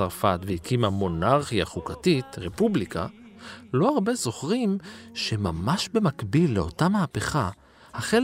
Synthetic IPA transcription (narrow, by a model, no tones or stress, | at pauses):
aʁfatveikʰimamo̞naʁχijaχukatitʁe̞publikʰa̰lo̞aʁbe̞zo̞χʁimʃe̞mamaʃbe̞makbilːeo̞̰tamaːpe̞χa | haχel